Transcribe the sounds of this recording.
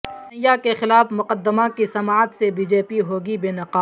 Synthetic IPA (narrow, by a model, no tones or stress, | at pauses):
nɐjakexɪlaːfmʊqəd̪ːəmakisɐmaːt̪sebiːd͡ʒeːpiɦoːɡibeːnɐqaː